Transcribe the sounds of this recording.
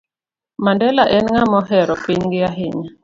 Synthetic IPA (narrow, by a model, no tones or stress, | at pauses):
mandɛlaʔɛnŋamɔɦɛɾɔpiɲɡɪaɦɪɲa